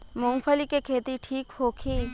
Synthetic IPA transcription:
mʊ̃ŋɡpʰəlikekʰeːt̪iʈʰiːkhoːkʰiː

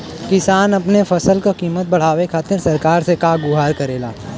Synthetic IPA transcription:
kɪsaːnɐpnefɐsəlkokiːmət̪̚bɐɽ̤aːwekʰaːt̪ɪɾsɐɾkaːɾsekaɡʊɦaːɾkɐɾeːlaː

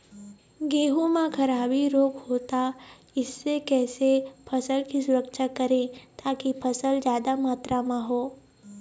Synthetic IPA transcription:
ɡeːɦõmãkʰɐɾaːbiɾoːkhoːt̪a | ɪsːekɛːsepʰɐsəlkisʊɾəkʃakɐɾẽt̪aːkipʰɐsəld͡ʒjaːd̪amaːt̪ɾʔamãɦoː

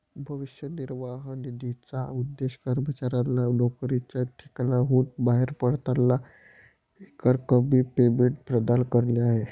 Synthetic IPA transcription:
bʱəʋiɕjəniɾʋaɦnid̪it͡saud̪ːeɕkəɾmət͡ɕaɾalanokɾit͡ɕjaʈʰi̥klaɦuːt̪baɦeɾpəɽt̪alːa | ekaɾkəbʱiːpemeɳʈ̚pɾəd̪alkəɾliaɦe

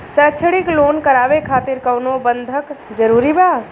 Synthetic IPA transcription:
sət͡ʃʰɽikloːnkəɾaːʋekʰaːt̪ɪɾkəwnobənd̪ʱəkd͡ʒəɾuːɾibaː

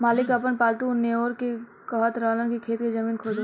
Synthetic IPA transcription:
maːlɪkɐpənpaːlt̪uneoːɾke | kɔɦət̪ɾaːlənkikʰeːt̪ked͡ʒɐmiːnkʰoːd͡ʒ̪

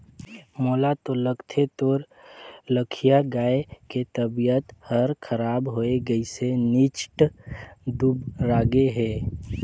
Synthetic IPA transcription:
moːlat̪oləɡt̪ʰet̪oːɾ | ləkʰijaɡaːeket̪əbijət̪həɾkʰəɾaːbɦoːeɡəisenɪt͡ʃʈ | d̪ubɾaːɡeɦɛː

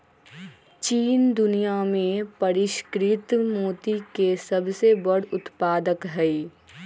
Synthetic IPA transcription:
t͡ʃiːnd̪ʊnijamẽpɐɾɪʃkɾɪt̪moːt̪ikesɐbsebɐɽ̤ʊt̪paːd̪əkɦɛi

